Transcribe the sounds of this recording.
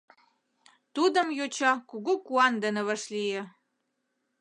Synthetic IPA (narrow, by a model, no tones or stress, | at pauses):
t̪ud̪ə̆mjot͡ɕɑkuɣukuɑnd̪ə̆nə̆βəʃlijĕ